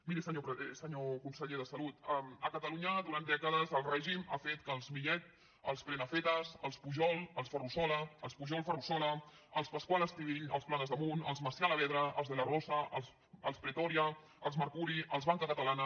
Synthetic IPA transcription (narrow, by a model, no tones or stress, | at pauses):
miɾisəɲopɾsəɲokunsəʎeðəsəlut̪ɛməkət̪əluɲəðuɾand̪ɛkəð̞əzəlˠrɛʒimafet̪kəlˠzmiʎɛt̪̚ | əlˠspɾenəfet̪əzəlˠspuʒɔlˠəlˠsfərusɔləːlˠspuʒɔlˠfərusɔlə | əlˠspəskwalˠəst̪iɣiʎə̰lˠsplaɣəzðəmunə̰lˠzməsjaləβɛðɾəʔəlˠzðələrɔsəəlˠs | əlˠspɾət̪ɔɾiə | əlˠzməɾkuɾiʔəlˠzβaŋkəkət̪əlanə